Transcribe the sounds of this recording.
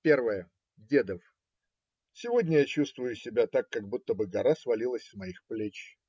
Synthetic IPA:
pʲervəjə | dʲed̪əf | sʲɪvo̞dʲnʲəjat͡ɕust̪vʊjʊsʲɪbʲat̪akːɐɡ̚but̪ːəbɨɡɐɾasvɐlʲilˠəsʲsmɐixplʲet͡ɕ

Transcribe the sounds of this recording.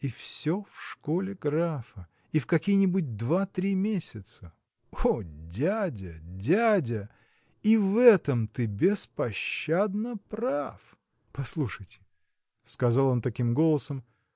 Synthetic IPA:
ifsʲofʂkolʲɪɡɾafə | ifkɐkʲijnʲɪbʊt̚ʲd̪vat̪ɾʲimʲesʲɪt̪sə | odʲædʲədʲædʲə | ivɛt̪əmt̪ɨbʲɪspɐɕːad̪nəpraf | pɐslˠuʂəjtʲɪ̥ | skɐzalˠo̞nt̪ɐkʲimɡo̞lˠəsəm

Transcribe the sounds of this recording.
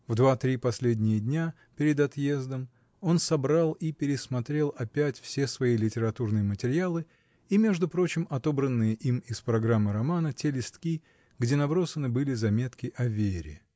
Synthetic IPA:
vd̪vat̪ɾʲipɐsʲlʲedʲnʲɪjədʲnʲa | pʲɪɾʲɪd̪ɐt̪je̞zd̪əm | o̞nsɐbɾalˠipʲɪɾʲɪsmɐt̪ɾʲe̞lˠɐpʲætʲfsʲe̞svɐilʲɪtʲɪɾɐt̪urnɨjəmətʲɪɾʲɪalˠɨ | imʲe̞ʐd̪ʊpɾo̞t͡ɕɪmɐt̪o̞bɾənːɨjəʔimɪspɾɐɡɾamːɨɾɐmanətʲelʲɪst̪kʲi | ɡdʲe̞nɐbɾo̞sənɨbɨlʲɪzɐmʲe̞t̪kʲɪʔɐvʲeɾʲɪ̰

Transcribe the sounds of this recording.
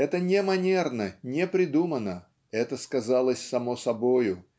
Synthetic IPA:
ɛt̪ənʲemɐnʲernənʲepɾʲɪd̪umənə | ɛt̪əskɐzalˠəsʲsɐmosɐbojʊ

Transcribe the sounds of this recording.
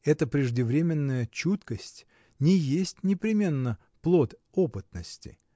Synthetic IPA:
ɛt̪əpɾʲɪʐdʲɪvɾʲemʲɪnːəjət͡ɕut̪kəsʲtʲ | nʲɪjesʲtʲnʲɪpɾʲɪmʲe̞nːə | plˠot̪ | opɨt̪nəsʲtʲɪ̰

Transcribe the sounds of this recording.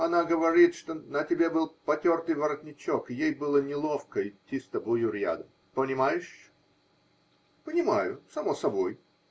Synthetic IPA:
ɐnaɡəvɐɾʲit̪ʂt̪onətʲɪbʲebɨlˠpɐtʲo̞rt̪ɨjvəɾɐt̪ʲnʲɪt͡ɕokɪjejbɨlˠənʲɪlˠofkəɪt̪ʲːist̪ɐbʊjʊɾʲja̰d̪ə | pənʲɪmajɪʂ | pənʲɪmajʊsɐmosɐbo̞j

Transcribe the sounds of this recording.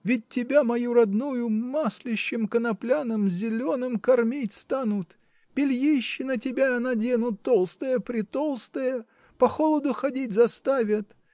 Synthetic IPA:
vʲɪt̚ʲtʲːɪbʲamɐjuɾɐd̪nujʊmasʲlʲɪɕːɪmkənɐplʲanəmzʲɪlʲo̞nɨmkɐrmʲitʲst̪anʊt̪ | pʲɪlʲjiɕːɪnətʲɪbʲanadʲenʊt̪ːolˠst̪əjəpɾʲɪt̪olˠst̪əjə | pɐxolˠəd̪ʊxɐdʲitʲzɐst̪avʲɪt̪

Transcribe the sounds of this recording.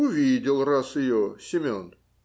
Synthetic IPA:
ʊvʲidʲɪlˠrasɪjosʲɪmʲon

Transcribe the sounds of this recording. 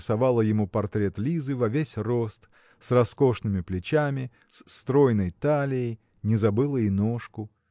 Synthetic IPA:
sɐvalˠəjɪmupɐrt̪ɾʲet̪lʲizɨvɐvʲesʲrost̪ | srɐsko̞ʂnɨmʲɪplʲɪt͡ɕamʲɪ | st̪ɾo̞jnəjt̪alʲɪjɪj | nʲɪzɐbɨlˠəinoʂkʊ

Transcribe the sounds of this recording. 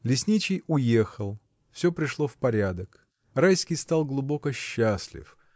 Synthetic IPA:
lʲɪsʲnʲit͡ɕɪjʊje̞xəlˠ | fsʲɵpɾʲɪʂlˠo̞fpɐɾʲad̪ək | rajskʲɪjst̪ɑlˠɡlˠʊbo̞kəɕːasʲlʲɪ̰f

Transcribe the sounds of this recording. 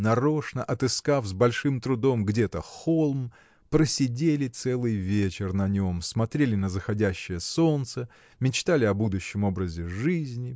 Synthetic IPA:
nɐɾo̞ʂnə̰ʔɐt̪ɨskafzbɐlʲʂɨmt̪ɾʊd̪o̞mɡdʲet̪əxolˠm | pɾəsʲɪdʲelʲɪt̪sɛlˠɨjvʲet͡ɕɪrnɐnʲo̞msmɐt̪ɾʲelʲɪnəzəxɐdʲæɕːɪjəso̞nt̪sə | mʲɪt͡ɕt̪alʲɪɐbud̪ʊɕːɪmo̞bɾəzʲɪʐɨzʲnʲɪ

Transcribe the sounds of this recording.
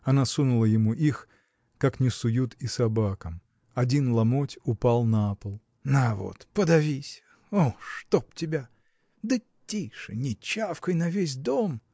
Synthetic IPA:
ɐnasunʊlˠəjɪmuʔix | kaknʲɪsʊjut̪isɐbakəm | ɐdʲinlˠɐmotʲʊpalˠnɐapəlˠ | navo̰t̪pəd̪ɐvʲisʲ | oʂt̪op̚tʲɪbʲa | d̪ə | tʲːijʂɨnʲɪt͡ɕːafkəjnɐvʲes̬ʲd̪om

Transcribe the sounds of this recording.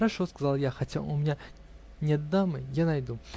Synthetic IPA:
ɾɐʂoskɐzɑlˠjaxɐtʲaʔʊmʲɪnʲa | nʲet̪̚d̪amɨjanɐjd̪u

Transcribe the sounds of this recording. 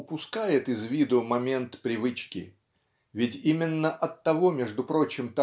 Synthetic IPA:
ʊpʊskajɪt̪ɪzvʲid̪ʊmɐmʲe̞nt̪pɾʲɪvɨt͡ɕkʲɪ̰ | vʲɪtʲimʲɪnːəʔɐt̪ːɐvo̞mʲeʐd̪ʊpɾo̞t͡ɕɪmt̪ɐ

